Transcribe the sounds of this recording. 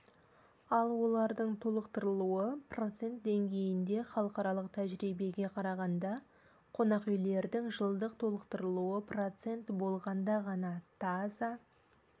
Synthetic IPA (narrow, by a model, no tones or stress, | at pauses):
ɑlˠwo̞lˠɑɾd̪əɴt̪ʰolˠəqt̪əɾəlˠuəpro̞t̪se̞nt̪̚d̪e̞ŋɡʲe̞jɪnd̪e̞χɑlˠəqɑɾɑlˠəq̚t̪ʰæʒɾibe̞ɡʲe̞qʰɑɾɑʁɑnd̪ɑ | qʰo̞nɑqʏjle̞ɾd̪ɪŋʒəlˠd̪əqt̪ʰolˠəqt̪əɾəlˠuəpro̞t̪se̞nt̪bo̞lˠʁɑnd̪ɑʁɑnɑt̪ʰɑzɑ